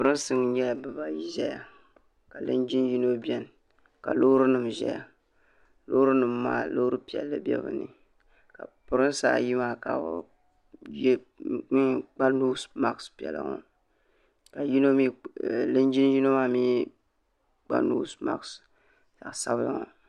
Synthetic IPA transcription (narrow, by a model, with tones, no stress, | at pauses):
pʊ˨ɾɨ˦n˦sɨ˦ŋɲɛ˦la˨bɨ˨ba˦ji˨ʒɛ˦ja˨ | ka˨lɨ˦nd͡ʒi˦nji˦no˦bjɛ˦n | ka̰˨lo˦ɾɨ˦nɨ˨mʒɛ̰˦ja˨ | lo˦ɾɨ˦nɨ˨mːaː˦˨lo˦hɾɨ˦pi˨ɛ̰˨lːɨ˦bʲɛ̰˦bɨ̰˨nɨ̰˨ | ka˨pʊ˨ɾɨ˦n˦sa̰ː˦ji˦maː˦˨ka̰˨˦ | j | k͡pa˦nu˦sma˦kspi˨ɛ̰˨la̰˦ŋɔ̰˦ | ka˨ji˦no˦mi˦lɨ˦nd͡ʒi˦n˦ji˦no˦ma˦miː˦ | k͡pa̰˦nṵ˦sma̰˦˨ks | ta˨ʔsa˦bla̰˨ŋɔ̰˨